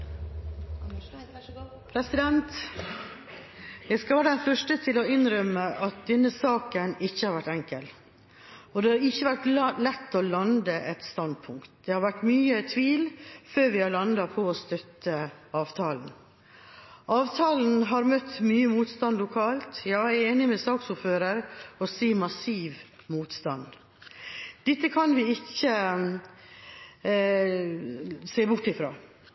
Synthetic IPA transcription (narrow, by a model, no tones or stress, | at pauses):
pʰɾɛsɪd̪ɛnt̪ | jæɪskɑlʋæːɾəd̪ɛnfœʂʈət̪ʰɪlɔɪnɾœmːəʔɑt̪̚d̪ɛnːəsɑːkənɪçːəhɑɾʋæʈːɛŋkəl | ɔd̪ɛhɑɾɪçːəʋæʈlɛt̪ːɔlɑnd̪əʔɛt̪st̪ɑnd̪̚pʰʊŋkt̪̚d̪̥ɛhɑɾʋæʈːmyːət̪ʰʋiːlføːɾʋɪhɑɾlɑnd̪ɑpʰɔost̪œt̪ːəɑːʋt̪ʰɑːln̩ | ʔɑːʋt̪ʰɑːln̩ɦɑɾmœt̪ːmyːəmuːt̪st̪ɑnlʊkʰɑːlt̪jɑːæɾeːnɪmɛsɑːksʊføːɾəɾɔsiːmɑsiːʋmuːt̪st̪ɑn | d̪̥ɪt̪ːəkʰɑnʋɪɪçːə | seːbʊʈːɪfɾo̰ː